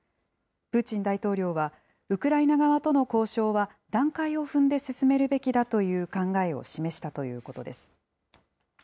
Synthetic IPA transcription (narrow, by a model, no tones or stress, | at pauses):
pɯ̟t͡ɕĩnd̪ait̪o̞ːɾʲo̞ːβa | ɯ̟kɯ̟ɾainaɡaβat̪o̞no̞ko̞ːɕo̞ːβa | d̪ãŋkaio̞ɸɯ̟̃nd̪e̞sɨsɨme̞ɾɯ̟be̞kʲid̪at̪o̞jɯ̟ːkãŋɡae̞o̞̰ɕime̞ɕi̥t̪at̪o̞jɯ̟̰ːko̞t̪o̞d̪e̞sɨ̥